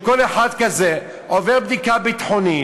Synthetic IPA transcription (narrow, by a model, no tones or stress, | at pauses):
koleħad̪kaze | oveʁbd̪ikabit̪ħoni